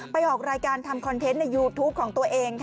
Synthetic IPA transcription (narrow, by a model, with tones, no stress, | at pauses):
pa˧jʔɔː˨˩k̚ɾaː˧jkaː˧nt̪ʰa˧mkʰɔ˧nt̪ʰe˦˥nːa˧jːuː˧t̪ʰuː˦˥p̚kʰɔː˩˦ŋt̪u˧ɐʔeː˧ŋt̪ʰ